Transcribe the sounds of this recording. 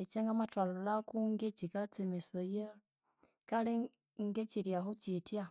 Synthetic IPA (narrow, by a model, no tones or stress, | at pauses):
et͡ʃeŋɡamatwalolakuŋɡet͡ʃikat͡simisoje | kale | ŋɡet͡ʃiɾjaxut͡ʃitja